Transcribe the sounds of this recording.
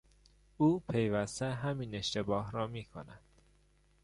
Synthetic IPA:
uːpʰe̞jvæst̪eɦæmine̞ʃt̪e̞bɒːɦɾɒːmiːkʰo̰næd̪̥

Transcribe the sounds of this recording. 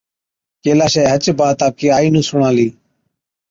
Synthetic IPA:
keːlaːʃeːɦət͡ʃbaːt̪aːp̚kiːaːiːnũːsʊɳãːliː

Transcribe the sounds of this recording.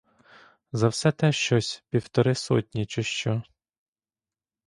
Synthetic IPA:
zɐwsɛt̪ɛʃt͡ʃɔsʲpʲiwt̪ɔɾɪsɔ̰tʲnʲit͡ʃɔʃt͡ʃɔ

